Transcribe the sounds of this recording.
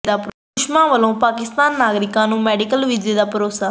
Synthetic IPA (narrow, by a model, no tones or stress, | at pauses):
d̪ap | ʂmaːʋɐlõpaːkɪst̪aːnnaːɣɐɾɪkːaːnũmɛɽikɐlʋɪd͡ʒɪd̪aːpɐɾoːsa